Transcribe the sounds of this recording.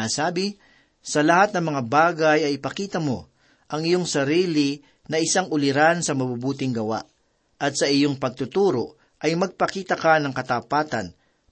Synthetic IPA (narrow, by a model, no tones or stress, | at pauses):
asaːbɪ | sɐlɐhat̪̚nɐŋmɐŋabaːɡɐjɐjɪpɐkiːt̪ɐmo̞̰ | ʔɐŋɪjo̞ŋsɐɾiːlɪ | nɐʔɪsaŋʊlɪɾansɐmɐbubuːt̪ɪŋɡɐwa̰ʔ | ɐt̪̚sɐʔɪjoŋpɐɡ̚t̪ʊt̪uːɾoʔ | ʔɐjmɐɡ̚pɐkiːt̪ɐkanɐŋkɐt̪ɐpaːt̪ɐ̰n